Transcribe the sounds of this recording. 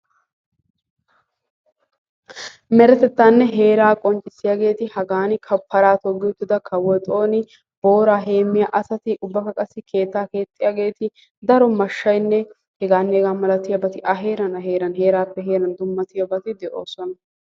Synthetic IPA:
mɛɾɛt̪ɛt̪ːaːnːɛɦe̞ːɾaːkʼɔnt͡ʃʼːɪsːɪjaːɡe̞ːt̪ɪhɐɡaːnɪkʰɐpʰːɐɾaːt̪ɔɡɪjʊt̪ːɪd̪ɐkʰɐwɔjt̪ʼo̞ːnɪ | b̥o̞ːɾaːɦe̞ːmːɪjaːʔɐsɐt̪ɪʔʊbːɐkɐkʼɐsːɪkʰe̞ːt̪ːaːke̞ːt̪ʼːɪjaːɡe̞ːt̪ɪ | d̪ɐɾɔmɐʃːɐjnːɛ | hɛɡaːnːeːɡaːmɐlɐt̪ɪjɐbɐt̪ɪʔɐɦe̞ːɾɐnɐɦe̞ːɾɐnɦe̞ːɾaːpːɛɦeːɾɐnd̪ʊmːɐt̪ɪjɐbɐt̪ɪd̪ɛʔo̞ːsɔnɐ

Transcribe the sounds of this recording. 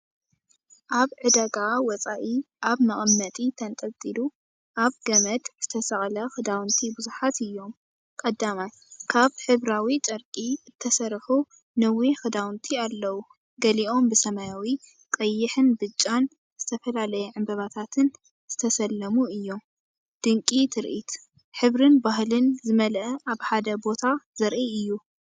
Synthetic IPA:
ʔaβʕɨd̪aɡawɐt͡sʼaʔiʔaβmɐχʼɨmnɐt̪ʼit̪ʰɐnt̪ʼɐlt̪ʼilu | ʔaβɡɐmɐd̪z̥ɨt̪ʰɐsɐχʼlɐxɨd̪awnt̪ʰibɨzuħat̪ɨjːo̞m | kʼɐd̪ːamaj | kʰaβħɨβɾawit͡ʃʼɐɾkʼiɨt̪ʰːɐsɐɾħu | nɨwixɨd̪awnt̪ʰialːɐwu | ɡɐliʔo̞mbɨsɐmajawi | kʼɐjːɪħɨnbɨt͡ʃʼːan | z̥ɨt̪ʰɐfɐlalɐjɐʕɨmbɐβat̪ʰat̪ʰɨn | z̥ɨt̪ʰɐsɐlːɐmuɨjːo̞m | d̪̥ɨŋkʼit̪ʰɨɾʔit̪ | ħɨβɾɨnbahlɨnzɨmɐlɐʔaβħad̪ɐbo̞t̪ʰazɐɾʔiɨjːu

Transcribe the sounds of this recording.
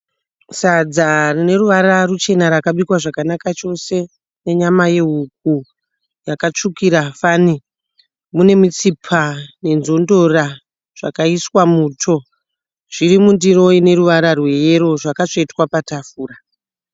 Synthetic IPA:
sad͡zarine̞ruʋaɾarut͡ʃe̞naɾakaɓikwaʐakanakat͡ʃo̞se̞ | ne̞ɲamaje̞ɦuk̚u | jakat͡ʂukiɾafani | mune̞mit͡sipʰane̞nzo̞ndo̞ra | ʐ̥a̰kaiswamuːtʰo̞ | ʐ̥iɾimundiro̞ine̞ɾuʋaɾarwe̞je̞ɾo̞ʐakat͡ʂoitwapatafuːra

